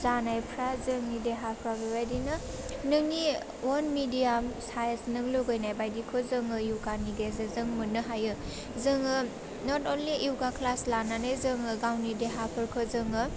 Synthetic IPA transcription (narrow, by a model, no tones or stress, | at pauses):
zanajpʰɾazɯŋnideɦapʰɾabebajdinɯ | nɯŋni | wɔnmidijamsajəsnɯŋloɡɯjnajbajdikʰozɯŋɯjuwɡaniɡezɯzɯŋmɯnːɯɦajɯ | zɯŋɯ | nɔtɔnliʔiwɡakʰlaslananɯjzɯŋɯɡawnideɦapʰɯɾkʰɯzɯŋɯ